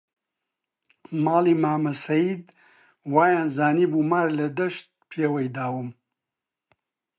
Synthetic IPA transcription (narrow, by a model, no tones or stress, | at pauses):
maːliːmaːmɐsɐjid̪̚ | waːjaːnzaːniːbuːmaːɾlɐd̪ɐʃt̪̚pʰeːwɐjd̪aːwɨm